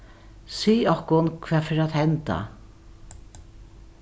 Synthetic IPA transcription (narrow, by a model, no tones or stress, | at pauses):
siːɔhkʊnkʰvɛːfeːɾat̪hɛnt̪a̰